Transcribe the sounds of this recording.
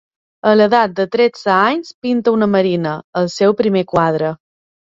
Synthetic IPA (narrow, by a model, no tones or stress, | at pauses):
ələðat̪̚d̪ət̪ɾed͡zəaɲspint̪əunəməɾinəəlˠsɛwpɾimekwað̞ɾə